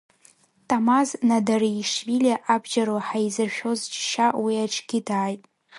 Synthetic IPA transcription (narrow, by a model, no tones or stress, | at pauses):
tʼamaznadariʂviliaʔabʒaɾwaħajizɨrʃᶣo̞zt͡ʃʃawiaʈ͡ʂʰʼɡʲidaːjtʼ